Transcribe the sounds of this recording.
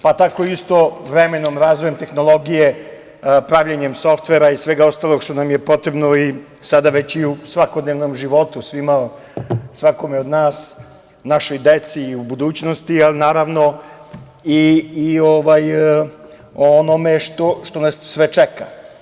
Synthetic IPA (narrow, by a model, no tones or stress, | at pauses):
pat̪akoiist̪oʋɾeme̞nomɾazʋojemt̪e̞xno̞lˠo̞ɡije̞ | pɾaʋʎeɲe̞mso̞ft̪ʋeɾaisʋeɡaost̪aːlˠoɡʃt̪onamje̞po̞t̪ɾebno̞i | sad̪aʋe̞t͡ɕiusʋakod̪neʋnomʒiʋo̞t̪usʋima | sʋako̞meo̞d̪naːs | naʃo̞jd̪e̞t̪siːubud̪uːt͡ɕno̞st̪ialinaːɾaʋno̞ | iːoʋaj | oono̞me̞ʃt̪o̞ʃt̪o̞nasːʋet͡ʃeka̰